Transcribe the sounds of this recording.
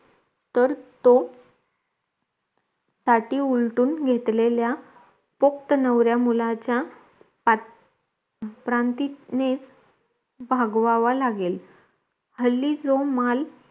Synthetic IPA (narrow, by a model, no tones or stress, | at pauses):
t̪əɾt̪o | saʈiːulʈuːnɡʱet̪lelja | pok̚t̪ənəʋɾjamulat͡ɕja | pɾant̪inet͡s | bʱaɡʋaʋalaɡel | həlːid͡zomal